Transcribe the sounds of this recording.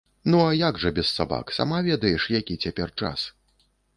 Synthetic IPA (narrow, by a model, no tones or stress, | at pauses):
nuajaɡʐɐbʲɛsːaba̰ksa̰mavʲɛd̪ɐjɛʂjakʲit͡sʲapʲɛrt͡ʂa̰s